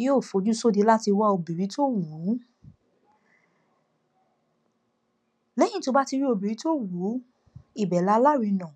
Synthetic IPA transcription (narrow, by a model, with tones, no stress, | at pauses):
jo˦˨fo˨˦d͡ʒu˦so˦di˨˦la˦ti˧wɔ˦o˧˨bi˨ɾi˨˦to˦wu˨˦ | lɛ˦j̃ĩ˦to˨˦ba˦ti˧ɾi˦o˧bi˨ɾi˨˦to˦wu˨˦ | i˦˨bɛ˨˦la˦la˦ɾi˧nã˨